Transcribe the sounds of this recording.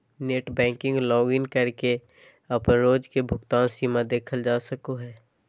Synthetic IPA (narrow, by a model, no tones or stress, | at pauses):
neːʈbɛ̃ːŋkɪ̃ŋɡlɔ̃ːɡɪnkəɾke | ɐpnɾoːd͡ʒkebʱʊkt̪aːnsiːmad̪eːkʰəld͡ʒaːsəkoɦɛː